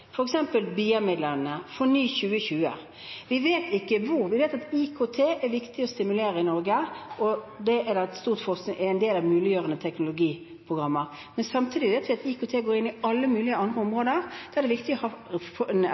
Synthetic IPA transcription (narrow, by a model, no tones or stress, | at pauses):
fɔɾɛksɛmpəlbiːəmɪd̪lənəfɔnyːçʉːəçʉːə̰ | ʋɪʋeːt̪ɪkːəʋʊɾʋɪʋeːt̪ɑt̪ikʰot̪ʰeːʔɛʋɪkt̪ɪɔst̪ɪmʉleːɾəɪnɔɾɡəɔd̪ɛɛd̪ɑɛt̪st̪uːʁt̪fɔʁsnɪʔɛɛnd̪eːlɑʋmʉːlɪjøːʁənət̪ʰɛknʊlʊɡiː | pʰʁʊɡɾɑmːəʁ | mɛnsɑmt̪ʰiːd̪ɪʋeːt̪ʋɪɑt̪ikʰot̪ʰeːɡoːɾɪnːɪɑlːəmʉːlɪəɑnd̪ʁəɔmʁoːd̪əʁd̪ɛɛd̪ɛʋɪkt̪ɪɔhɑ